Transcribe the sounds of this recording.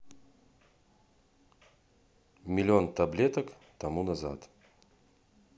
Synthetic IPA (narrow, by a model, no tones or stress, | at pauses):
mʲɪlʲɪo̞nt̪ɐblʲet̪əkt̪ɐmunɐza̰t̪